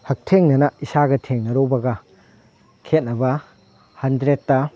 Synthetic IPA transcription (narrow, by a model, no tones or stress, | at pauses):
hɐk̚tʰeŋnɐnɐisaɡɐtʰeŋnɐɾobɐɡɐ | kʰet̚nɐbɐ | hɐndɾetːɐ